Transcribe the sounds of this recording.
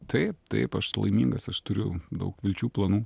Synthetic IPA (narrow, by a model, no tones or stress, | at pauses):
t̪ʰɐɪp̚t̪ɐ̰ɪpɐʃlˠɐ̰ɪmʲiːŋɡɐsɐʃt̪ʊɾʲʊd̪ɐ̰ʊkʋʲɪlʲt͡ʃʲuːplˠɐnuː